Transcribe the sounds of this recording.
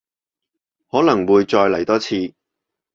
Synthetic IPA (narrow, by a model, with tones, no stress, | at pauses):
hɔː˨˥nɐ˨˩ŋwuː˨˧jt͡ʃɔː˧jlɐ˨˩jt̪ɔː˥t͡sʰiː˧